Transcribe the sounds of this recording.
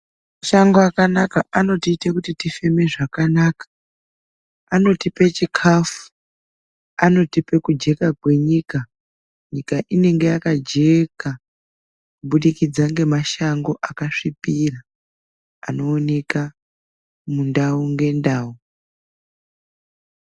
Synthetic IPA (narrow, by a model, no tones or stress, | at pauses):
maʃaŋɡoakanakaʔano̞tiːtekutitife̞me̞ʐakanaːkḁ | ano̞tipe̞t͡ʃikʰafu̥ | ano̞tipe̞kud͡ʒe̞kakwe̞ɲika | ɲikaʔine̞ŋɡe̞jakad͡ʒe̞ka | kuɓuɗikid͡zaŋɡe̞maʃaŋɡo̞ʔakaʂipira | ano̞ːne̞ka | mundauŋɡe̞ndaːu